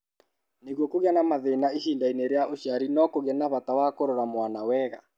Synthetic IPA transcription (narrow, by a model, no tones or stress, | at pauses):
neɣwɔkoɣjanamaðenaihindaineɾeaʔoʃaɾinɔkoɣanaβatawakoɾoɾamwanawɛɣa̰